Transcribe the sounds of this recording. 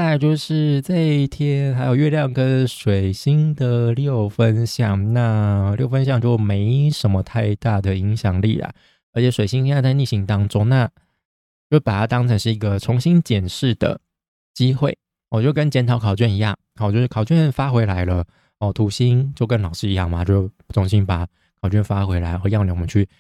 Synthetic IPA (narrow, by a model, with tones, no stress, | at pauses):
a˥˧ɪt͡ɕjo˥˧ʊʂɻ̩˥˩˧t͡sa˥˧ɪi˥˩t̪ʰjɛ˥nxa˧˥ɪjo˨˩ʊɥɛ˥˧ljɑ˥˩ŋkə˦˥nʂwe˨˩ɪɕi˥ŋd̪ə˨ljo˥˨˩ʊfə˦nɕjɑ˥˨˩ŋna˥˧ljo˥˩ʊfə˥˦nɕ̬jɑ˥˧ŋt͡ɕjo˥˩ʊme˧˥ɪʂə˧˥nmə˧t̪ʰa˥˧ɪt̪a˥˩d̪ə˩i˧˥ŋɕjɑ˨˩ŋlḭ˥˩lɐ̰˨˩ | ə˧˥t͡ɕʰjɛ˧˥ʂwe˨˩ɪɕi˥ŋ˧˥a˥˧t͡sa˥˧ni˥˩ɕi˧˥ŋt̪ɑ˥ŋʈ͡ʂʊ˥ŋna˥˩ | t͡ɕjo˥˧˩pa˨˩t̪ʰa˥t̪ɑ˥ŋt͡sʰa˧˥nʂɻ̩˥˩i˧˥ɡə˧t͡sʰʊ˧˥ŋɕi˥nt͡ɕjɛ˨˩nʂɻ̩˥˩d̪ə̰˩ | t͡ɕi˥xwe˥˩ɪ˨˩ | t͡ɕjo˥˩ʊkə˦˥nt͡ɕjɛ˧˥nt̪ʰɑ˧˥ʊkʰɑ˨˩ʊt͡ɕɥɛ˥˩ni˧˥jɑ̰˥˩ŋht͡ɕjo˥˧ʊʂɻ̩˥˩kʰɑ˨˩ʊt͡ɕɥɛ˥˨nfa˥xwe˧˥ɪla˧˥ɪlə˧ | ɔ˥˩t̪ʰu˧˥ɕi˥nt͡ɕjo˥˩ʊkə˦nlɑ˨˩ʊʂɻ̩˥˨i˧˥jɑ̰˥˩ŋma˨˩t͡ɕjo˥˧˥t͡sʰʊ˧˥ŋɕi˥npa˨˩˦ | kʰɑ˨˩ʊt͡ɕɥɛ˥˩nfa˥xwe˧˥ɪla˧˥ɪxə˧˥jɑ˥˩ʊljŋwmə˦˥t͡ɕʰy˥˩